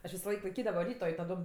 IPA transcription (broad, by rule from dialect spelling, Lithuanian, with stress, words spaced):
ɐʃ ʋʲɪsoːˈlˠɐɪk lˠɐɪˈkʲiːdɐʋoː ˈrʲiːtoː ɪ tɐˈdoːm